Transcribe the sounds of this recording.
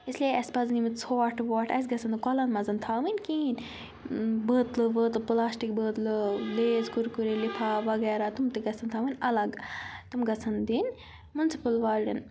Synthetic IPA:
islieɐspɐznimɨt̪sʰoːʈʋoːʈʰɐ̰s̬ʲɡɐt͡sɐnd̪ɨkɔlɐnmɐzɐnt̪ʰaːʋɨnʲkiːn | bəːt̪lɨʋəːt̪lplaːsʈik̚bəːt̪lɨleːzɡuɾkuɾilipʰaːʋɐɡɛːɾaːt̪umt̪eɡɐt͡sʰɐnt̪ʰaːʋɨnʲɐlɐɡt̪umɡɐt͡sʰɐnd̪in | munsi̥pɐlʋaːlɖɐn

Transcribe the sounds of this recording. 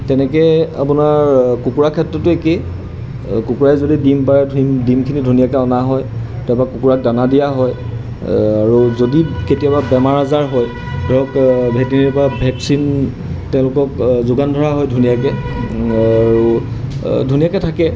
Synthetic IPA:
tɛnɛkɛa̰punaɹkukuɹakʰɛtɹɔtʊeke | kukuɹajzodidimpaɹɛdʱdimkʰinidʱunijakɛɔnaɦɔj | tɛbakukuɹak̚danadijaɦɔj | aɹuzodiketijababɛmaɹazaɹɦɔj | bʱɔɔkbʱɛtiniɹpɔabʱɛksin | tɛʊ̃lʊkɔkzʊɡandʱɔɹaɦɔjdʱunijakɛ | aɹu | dʱunijakɛtʰakɛ

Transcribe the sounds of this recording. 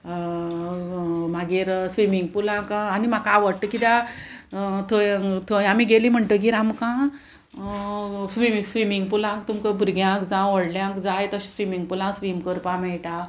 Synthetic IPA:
maɡiɾsʋimiŋɡ̚pulãkanimakãʋəɾʈəkit̪a | t̪ʰojt̪ʰoamiɡeliːm̤əɳʈ̪əɡ̬iːɾamkã | sʋimsʋimiŋɡpulãkt̪umkəbuɾɡjãkd͡zãɔɽljãkd͡zajt̪əɕĩ̥sʋimiŋɡ̚pulãsʋimkəɾpãmɛɭʈa

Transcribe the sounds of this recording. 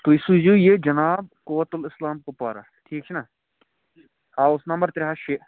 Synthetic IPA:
t̪oɪsuzujed͡ʒɐnaːb̚kʊʋːət̪ʊlɪslaːmkopaːɾaːʈʰiːk̚t͡ʃʰinaː | haːʊsnɐ̃mbəɾt̪ɾeɦaʃe

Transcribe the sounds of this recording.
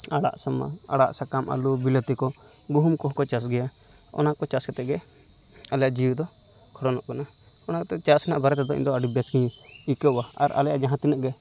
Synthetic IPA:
aɽa̰ʔsama̰a̰ɽa̰ʔsakamʔa̰lubilət̪ikɔ | ɡuɦumkɔɦɔkɔt͡ʃasɡɛja | ɔ̰nakɔt͡ʃaskɛt̪ɛʔɡɛ | alɛjaʔd͡ʒiwd̪ɔ | kʰɔɾɔnɔ̰ʔkana | ɔnakɛt̪ɛt͡ʃasɛnaʔbaɾɛt̪ɛd̪ɔḭnd̪ɔaɖibjasni | ikəwaa̰ɾa̰lɛja̰ʔd͡ʒaɦãt̪inəʔɡɛ

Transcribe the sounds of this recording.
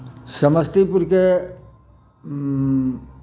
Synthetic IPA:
səməst̪ipuɾke

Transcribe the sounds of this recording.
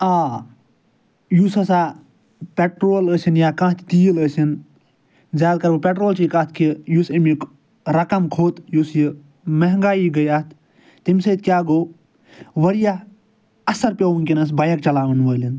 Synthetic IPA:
aː | jusɐsaː | pʲeʈɾoːləːsinjaːkɐ̃ːt̪ʰʲt̪iːləsin | zʲjaːd̪̚kɐɾbɨpʲeʈɾoːlt͡ʃikɐt̪ʰkijusɐmik | ɾɐkɐmkʰoːt̪jusji | mɐɦŋɡaːiːɡɐjat̪ʰ | t̪imsɐt̪̚kʲjaːɡoː | ʋɐɾija | ɐsɐɾpʲewunkinɐs̬bɐjɐk̚t͡ʃɐlaːʋɐnʋəːlin

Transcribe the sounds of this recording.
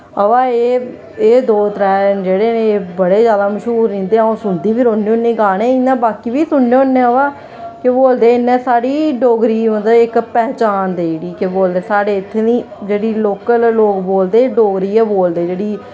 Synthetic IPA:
əʋaːeː | eːd̪oːt̪əɾaːd͡ʒeːɽeːneːbəɽeːd͡ʒjaːd̪aːməʃɦuːɾnĩːnd̪eːõːsʊnd̪iːpʰɪɾoːnːeːonːeːɡaːɽ̃ẽːɪnːãːbaːkiːbiːsʊɳːeːnːẽːəʋaː | keboːld̪eːɪnːɛ̃ːsaːɽiːɖoːɡɾiːõnd̪aːɪkpɛːɦt͡ʃaːnd̪eːiɽiːkeboːld̪eːsaːɽeːɪt̪ʰːenĩː | d͡ʒeːɽiːloːkəlloːkboːld̪eːɖoːɡɾiːɛːboːld̪eːd͡ʒeːɽiː

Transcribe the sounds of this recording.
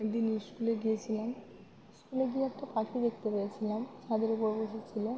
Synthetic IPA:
d̪iniskuleɡijet͡ɕʰilam | skuleɡieɛk̚ʈapakʰid̪ekt̪epeet͡ɕʰilamʃad̪eɾupoɾboʃit͡ɕʰile

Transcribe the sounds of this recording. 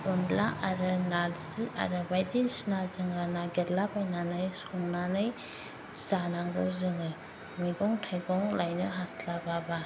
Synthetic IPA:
ɔnlaʔaɾɯnalzɯa̰ɾɯbajdisnazɯŋɯnaɡeɾlabajnanɯjsɔŋnanɯj | sanaŋɡɯwzɯŋɯ | mijɡɔŋtʰajɡɔŋlajnɯɦaslababa

